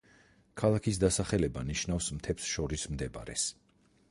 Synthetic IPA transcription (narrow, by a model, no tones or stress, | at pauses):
kʰalˠakʰis̬d̪asaχɛlɛbaniʃnafsmt̪ʰɛpsʃɔɾismd̪ɛbaɾɛs